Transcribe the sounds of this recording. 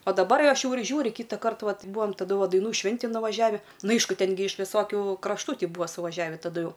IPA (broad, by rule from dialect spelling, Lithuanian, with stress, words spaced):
ɐ dɐˈbɐr ɐʃ jɛʊ ɪr ˈʒʲuːrʲɪ ˈkʲiːtɑːkɐrt ˈʋɐt ˈbuːɐm tɐˈdʊ ˈʋɐ dɐɪˈnuː ˈʃʲʋʲɪnʲtʲɪn nʊʋɐˈʒʲæːʋʲɪ ˈnʊ ˈɐɪʃkʊ ˈtʲɛn ɡʲɪ ɪʃ ʋʲɪˈsoːkʲʊ krɐʃˈtuː ˈtʲiː ˈbʊʋoː sʊʋɐˈʒʲæːʋʲɪ tɐˈdʊ ˈjɛʊ